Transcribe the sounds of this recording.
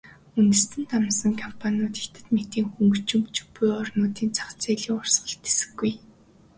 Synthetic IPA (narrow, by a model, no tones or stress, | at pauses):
unt̪ɘ̆st̪ʰɘ̆nt̪amsə̆ŋkʰɔmpʰanʲʊːt̪e̥xt̪ɘ̆t̪met̪iːŋxuŋɡɵ̆t͡ɕɵ̆mt͡ɕɵ̥pːujɔrnʊːt̪iːnt͡sʰḁχt͡seːɮiːŋʊrsɢə̆ɬt̪esɘ̥̆ɡːuj